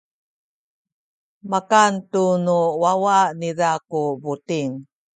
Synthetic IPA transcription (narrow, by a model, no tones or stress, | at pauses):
makantunuwawanidakubutiŋ